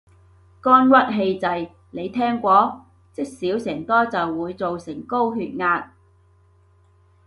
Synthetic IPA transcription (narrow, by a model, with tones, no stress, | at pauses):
kɔː˥nkwɐ˥t̚ɦe˧jt͡sɐ˨j | le˨˧jt̪ʰɛː˥ŋkʷɔː˧˥ | t͡sɪ˥k̚siː˨˥wsɛː˨˩ŋt̪ɔː˥t͡sɐ˨wːuː˨˧jt͡so˨wsɪ˨˩ŋko˥wɦyː˧t̚ŋaː˧t̚